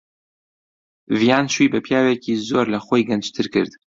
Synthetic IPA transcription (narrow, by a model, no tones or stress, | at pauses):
vijaːnʃwibɐpʰjaːweciːzoːɾlɐxojɡɐnd͡ʒt̪ʰɨɾkɨɾd̪